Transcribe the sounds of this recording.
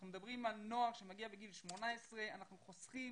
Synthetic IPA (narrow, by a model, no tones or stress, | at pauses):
numed̪abʁimalno̞aχʃemaɡiabeɡilʃmonaesʁeanaχnuχosχim